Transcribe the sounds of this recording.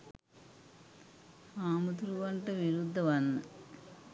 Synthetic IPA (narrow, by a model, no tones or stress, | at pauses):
aːmɨt̪uɾuʋɐɳʈɐʋiɾud̪ʱːɐʋɐnːɨ